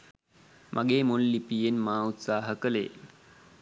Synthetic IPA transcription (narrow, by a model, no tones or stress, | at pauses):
mʔaɡeːmollipijenmaːut̪saːɦəkəlḛː